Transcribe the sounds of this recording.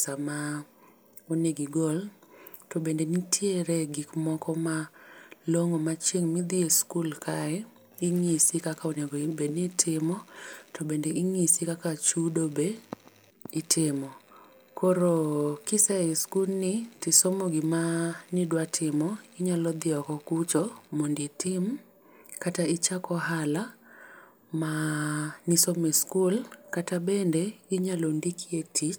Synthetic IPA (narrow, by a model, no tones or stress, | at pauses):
sama | oneɡiɡoltobendenitʰjeɾeɡikmɔkɔmaloŋomat͡ʃeŋmid̪ɪeskulkʰaɛ | ɪŋisikakaoneɡoibenitʰɪmɔtobendeɪŋisikakat͡ʃudobe | ɪtʰɪmɔ | koɾokɪsɛiskulnɪtɪsomoɡɪmanidwatʰɪmɔɡɪɲalɔd̪ɪɔkɔkut͡ʃɔmonditɪm | kataɪt͡ʃakɔɦala | ma | nisomiskulkatabendeɡɪɲalondikʰietit͡ʃ